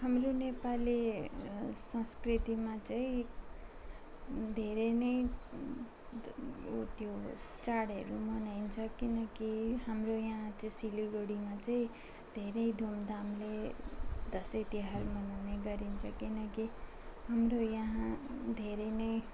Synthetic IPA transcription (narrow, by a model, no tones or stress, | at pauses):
hamronepali | sʌ̃skrit̪imat͡saĩ | d̪ʱeɾenʌj | t̪jot͡saɽʌ̰ɾumʌnajnt͡sʰʌkinʌkihamrojʌɦãt͡sʌĩsiliɡoɽimat͡saĩ | d̪ʱeɾʌjd̪ʱumd̪ʱamle | d̪ʌsʌt̪iɦarmʌnawneɡʌɾint͡sʰʌkinʌki | hamrojʌɦãd̪ʱeɾenʌj